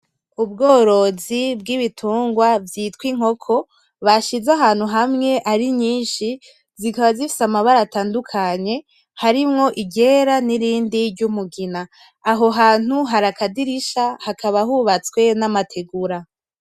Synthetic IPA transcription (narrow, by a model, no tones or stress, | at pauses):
ub̚ɡo̞ːɾo̞zibɡiβitʰuːŋɡwavjiːtwiŋ̥ho̞kʰo̞ | βaʃizaɦaːn̥huɦamŋe̞ʔaɾiɲiːnʃi | zikaβazifi̥samaβaɾataːndukʰaɲe̞ | haɾimŋo̞ʔiɟe̞ɾaniɾiːndiɾɟumuɡinaː | ɦo̞ɦaːn̥uɦaɾakʰadiɾiʃahakʰaβaɦuβat͡skwe̞namatʰe̞ɡuɾa